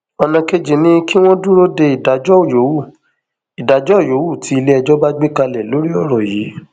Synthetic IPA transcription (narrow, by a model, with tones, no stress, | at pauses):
ɔ˧nã˧ke˧d͡ʒe˨nĩ˦ki˦w̃ɔ̃˦du˦ɾo˦de˧i˨da˨d͡ʒɔ˦o˨jo˨˦wu˦˨ | i˨da˨d͡ʒɔ˦˨jo˨˦wu˦˨tʰi˨˦i˧le˦ɛ˧d͡ʒɔ˦ba˦ɡ͡be˦ka˧lɛ˨lo˨˦ɾi˦ɔ˦˨ɾɔ˨ji˨˦